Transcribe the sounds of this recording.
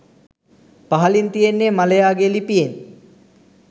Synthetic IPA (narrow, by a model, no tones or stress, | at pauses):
paɦɐlint̪ijenːemalejaːɡelipijen